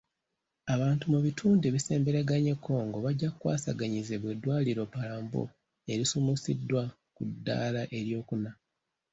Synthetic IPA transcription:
aβaːntumuβitʰuːndeβise̞ːmbe̞ɾaɡaɲe̞kʰːo̞ːŋɡo̞βaɟːakukːwa̰ːsaɡaɲizeβwe̞dwaːliɾo̞palaːmbo̰ | e̞ɾisumusidːwa | kudːa̰ːlaʔe̞ɾjo̞ːkuna

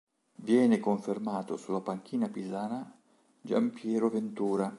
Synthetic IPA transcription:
vjɛːnɪkoɱfermaːt̪o̰sulːapaŋk̟iːnapizaːna | d͡ʒa̰mpjɛːɾovɪnt̪uːɾa

